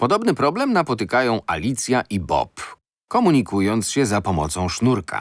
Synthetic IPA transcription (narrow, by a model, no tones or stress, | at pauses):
pɔd̪ɔbnɘpɾɔblɛmnapɔt̪ɘkajɔ̃w̃ʔa̰lʲit̪sʲjaʔibɔ̰p | kɔmuɲikujɔnt̪sɕɛzapɔmɔ̰t̪sɔ̃w̃ʂnuɾka̰